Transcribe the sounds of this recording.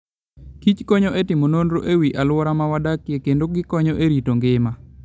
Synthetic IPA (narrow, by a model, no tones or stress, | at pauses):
kit͡ʃkɔɲɔʔetɪmonondɾoʔewiʔalwɔɾamawadakjekendoɡɪkɔɲɔʔeɾitoŋɡɪma